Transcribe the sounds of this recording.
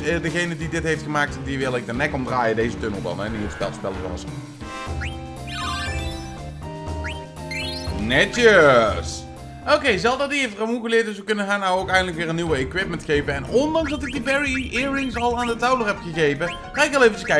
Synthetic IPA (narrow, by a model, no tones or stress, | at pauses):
dəɣejnədidɪtɦejftχəmaːk̚tdiʋɪlˠɛk̚dənɛkɔmdraːjədejzətønəlˠdɑ̰nɛniəspɛ̰lspɛ̰lˠəz̰ɑ̰sə | nɛtəs | owkejzɛlˠfdɑdiejftramuɣəlɪːɹt̚dɵsʋəkɵnəxaːnːawowkɛjndələkʋɪːɹənːiʋəekwɪpməntχejpəɛnɔndɑŋzdɑtɪɡ̚dibɛɹiɪːɹɪŋsɑlˠaːndətɑwlərɦɛpχəɣejpə | χaːɪkɑlˠejvət͡ʃəskɛ